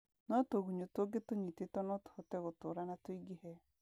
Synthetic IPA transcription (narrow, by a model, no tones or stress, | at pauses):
nɔtoɣuɲotoɡetoɲitetɔnɔto̥hɔtɛɣotoɾanatoiɡehɛ